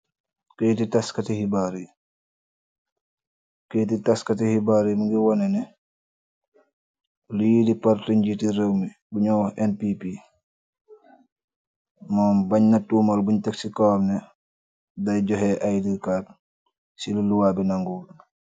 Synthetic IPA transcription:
ketitaskɐtihibaɾi | keːtitaskɐtihibaɾimuŋɡiwɔnɛnɛ | lujidipaɾtiɲɟitiɾewmi | buɲɔɛnpipi | mɔːmbaɲnɐtuːmɐlbuɲtɛksikɔwmnɛ | dɐjɟɔɦɛʔajdikaːt | siluluwabinaŋɡuːl

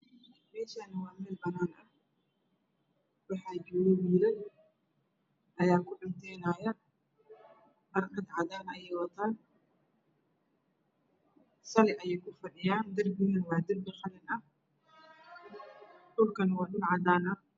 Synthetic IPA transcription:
mɛːʃaːnɪwɑːmɛlbɐnaːnʔɐ | wɑħaːd͡ʒɔwɔwiːɾɐn | ʔɐjaːkʰʊɗɪnt̪ʰɛːnaːja | bɐɾʔɐd̪ʕɑd̪aːnɐjɛːjwɐt̪ʰaːn | sɐlɛʔɐjɛːjkʰʊfɐɗɪjaːnd̪ɐrbinɐnwɑːd̪ɪlbɪxɐlɪnɐh | ɗʊlkɐnwaːɗʊlʕɑd̪aːnɐ

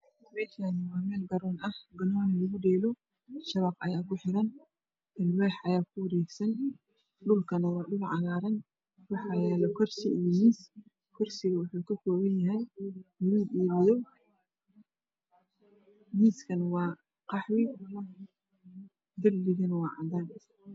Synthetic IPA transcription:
mɛːʃanɪwɑːmɛːlɡɐɾɔːnɐhɡɐnɔːnɐlɐɣʊɖɛːlɔ | ʃɐβɐqʔɐjaːkʊħɪɾɐn | d̪ɪlwɛːħʔɐjaːkʰʊwɐɾɛːɡsɐn | ɗʊlkʰɐnɐwɑːɗʊlʕɑlaːɾɐn | wɑħɑjɛːlɔkʰɔrsɪʔijɔmiːs | kʰɔrsɪɣɐwʊħuːkʰɐkʰɔːwɐnjɐɦɛjnɐɣuːdiːβɪjɔ | miːskʰɐnwɑː | qɑħwɪ | d̪ɪrːɪɣɐnwɑːʕɑ̰d̪aːn

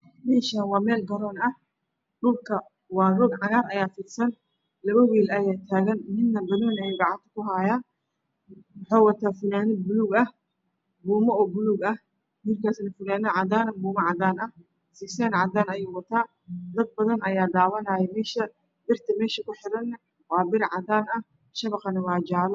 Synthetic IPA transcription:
mɛːʃanwɑːmɛːlɡɐɾɔːnɐh | ɗʊlkʰɐ | wɑːrɔːɡʕɑɣaːnɐjaːfɪːd̪sɐn | lɐβɐwiːlɐjaːt̪ʰaːɣɐnmɪnːɐbɐðɔːnɐjuːɡɑʕɑnt̪ʰɐ̥kʰʊɦaːjaː | wʊħɔːwɐt̪ʰaːfʊnaːnɪbʊluːɡɐh | buːmɐɔːbʊluːɡɐh | juːrkʰaːsnɐfʊnaːnɐʕɑd̪aːnɐbuːmɐʕɑd̪aːnɐ | siːsɛːnʕɑd̪aːnɐjuːwɐt̪ʰaː | d̪ɐd̪̚bɐðɐnɐjaːd̪aːwɐnaːjɛmɛːʃɐ | bɪrt̪ʰɐmɛːʃɐkʰʊħɪɾɐnːɐ | wɑːbɪɾʕɑd̪aːnɐ | ʃɐβɐqɐnɪwɑːd͡ʒaːlɔ

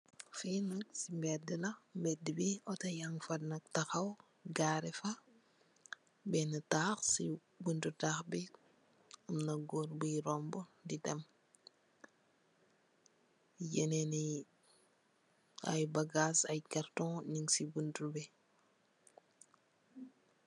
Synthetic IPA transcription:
finɐksimbɛdəlɐmbɛdibiɔtɐjaŋfɐdnɐk̚tɐxɐw | ɡaːɾɛfɐ | bɛnɐtaːxsi | buntutaːxbi | umnɐɡoːɾbujɾɔmbɔdidɛm | jɛneni | ɐ̰jbaɡaːsɐjkaɾtɔ̃niŋsibuntubɛ

